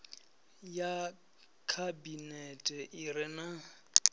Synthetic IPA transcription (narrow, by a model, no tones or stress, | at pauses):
ja | kʰabinɛtʼɛʔɪrɪna